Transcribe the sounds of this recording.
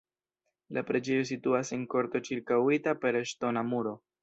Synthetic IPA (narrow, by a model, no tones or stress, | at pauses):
lʔapɾed͡ʒe̞jo̞s̬ituasenko̞ɾto̞t͡ʃiɾkawitape̞ɾeʃto̞namuɾo̞